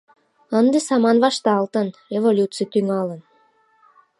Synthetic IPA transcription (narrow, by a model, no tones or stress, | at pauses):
ənd̪esɑmɑnβɑʃt̪ɑlt̪ənevolʲut͡sɨjt̪yŋɑlən